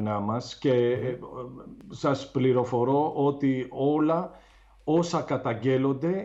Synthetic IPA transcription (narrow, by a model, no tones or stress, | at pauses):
nɐmɐsce̞ | sɐspliɾo̞fo̞ɾo̞ʔo̞t̪io̞lɐ | o̞sɐkɐt̪ɐɲɟe̞lo̞nd̪e̞